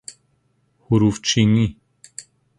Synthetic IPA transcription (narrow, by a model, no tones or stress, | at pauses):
huɾuft͡ʃʰiŋi